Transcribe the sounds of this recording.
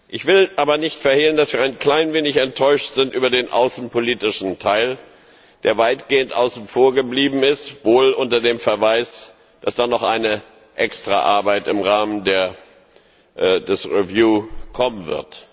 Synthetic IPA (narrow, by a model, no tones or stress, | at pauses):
ʔɪçv̥ɪlʔaːbɐnɪçtfɛɐheːləndasv̥iːɐaɪnkl̥aɪnveːnɪçɛntʰːɔʏʃtz̥ɪntʔyːbɐdeːnʔa̰ʊsn̩pʰoliːtɪʃn̩tʰaɪl | d̥eːɐvaɪtɡ̥eːəntʔaʊsn̩foːɐɡəbliːbm̩ɪstv̥oːlʔʊntɐdeːmfɛɐvaɪs | d̥asd̥aːnɔχʔaɪnə | ʔɛkstʁ̥a̰ʔa̰ɐbaɪtɪmʁaːməndeːɐ | dɛsʁivjuːkʰɔmənvɪ̰ɐt